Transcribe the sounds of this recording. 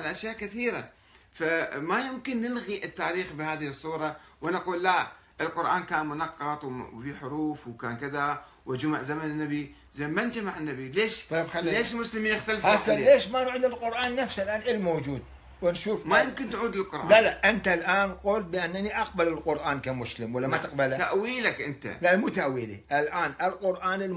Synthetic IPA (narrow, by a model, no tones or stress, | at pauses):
lʔaʃjaːʔkɪθiːɾa | famajɪmkɪnːɪlɣiʔɪt̪ːaːɾiːxbɪhaːðɪhɨsˤːuːɾˤɑwanaquːlːa | ʔɪlqʊɾˤʔaːnkaːnmʊnɑqːɑt̪ˤwfiħʊɾuːfwkaːnkɪða | wɪd͡ʒʊma̰ʕzamanɪnːabi | zeːmmand͡ʒamaʕɪnːabileːʃˤɑbxalːileːʃmʊslɪminɪxt̪alfasaleːʃmanʕiːd̪ɪlqʊɾʔaːnːafsalʔaːnʔɪlːmowd͡ʒuːd̪̚ | wɪnʃuːfmajʊmkɪnt̪ʕuːd̪lɪlqʊɾʔalalaʔɪnt̪alʔaːnqʊlt̪̚bɪʔanːaniʔɑqbalɪlqʊɾʔaːnkamʊslɪmwalːamat̪ɪqbalat̪aʔwiːlakʔɪnt̪a̰lamuːt̪aʔwiːlḭʔɪlʔaːnʔɪlqʊɾʔaːnɪl